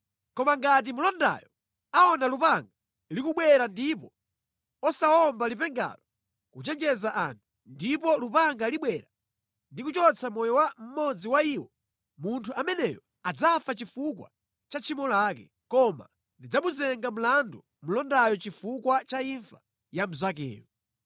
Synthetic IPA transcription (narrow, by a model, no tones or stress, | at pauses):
kɔmaŋɡat̬imulɔnda̰jɔ | aɔnalupaŋɡa | likuɓwɛɾandipɔ | ɔsaɔmbalipɛŋɡa̰lɔ | kut͡ʃɛnd͡ʒɛzaʔa̰ntʰu | ndipɔlupaŋɡaliɓwɛɾa | ndikut͡ʃɔt͡sʰamɔjɔwam̩mɔd͡ziwaiwɔ | muntʰuʔamɛnɛjɔ | ad͡zafat͡ʃifukwa̰ | t͡ʃat͡ʃʰimɔlaːkɛ | kɔma̰ | ndid͡zamuzɛŋɡam̩landu | m̩lɔndajɔt͡ʃifukwat͡ʃaiɱfa | jam̩zak̬ɛ̰ːmɔ